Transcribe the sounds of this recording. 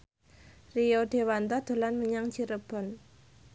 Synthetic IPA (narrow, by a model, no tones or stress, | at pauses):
rijoɖ̪̥e̤want̪ɔd̪̥o̤lanməɲaŋt͡ʃiɾəb̥ɔ̤n